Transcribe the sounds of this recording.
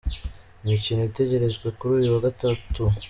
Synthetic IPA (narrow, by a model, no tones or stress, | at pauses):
imicino̞ite̞ɟe̞ɾe̞zɡwe̞kuɾuːjuwaɡatatu